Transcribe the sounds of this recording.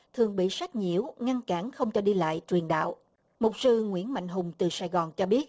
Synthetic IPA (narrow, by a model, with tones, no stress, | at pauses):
t̪ʰɨ˨˩əŋɓḭ˧˨sa˦˥k̚ɲḭ˧˩əwŋa˧nkaː˧˩nxə˧wŋ͡mt͡ɕɔ˧˩ɗi˧la̰ː˧˨jt͡ɕwi˨˩ənɗa̰ː˧˨w | mo˨˩t̚sɨ˧ŋwḭ˧˥ənma̰˧˨jŋ̟ɦʊ˨˩ŋ͡mt̪ɨ˨˩saː˧jɣɔː˨˩nt͡ɕɔ˧ɓi˦˥ət̚